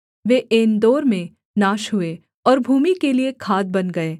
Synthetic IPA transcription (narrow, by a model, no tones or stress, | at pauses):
ʋeːʔeːnd̪oːɾmẽ | naːʃɦʊe | ɔːɾbʱuːmikeliekʰaːd̪̚bɐnɡɐeː